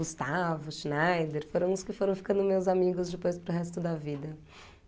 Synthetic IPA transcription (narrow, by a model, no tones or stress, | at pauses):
ust̪avʊʃnajd̪eɾfoɾɐ̃w̃ʊskɪfoɾɐ̃w̃fi̥kɐ̃nd̪ʊmewzamiɡʊzd͡ʒɪpojspɾʊɦɛst̪ʊd̪ɐvid̪ɐ